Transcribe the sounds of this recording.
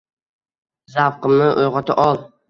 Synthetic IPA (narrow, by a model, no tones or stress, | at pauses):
zafqɨmnɪʔojʁɒt̪ʰɪʔɒlˠ